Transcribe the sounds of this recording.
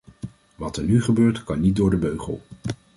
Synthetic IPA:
ʋɑtɛɹnyχəbøːɹtkɑnːit̚dʊːɹdəbøɥχə̰lˠ

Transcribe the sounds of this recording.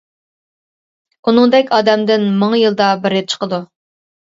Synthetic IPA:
unɨŋd̪ɛkʲʰɑːd̪ɛmd̪ɪnmɨŋjɨlˠd̪ɑbɪɾɪt͡ʃʰə̥qəd̪u

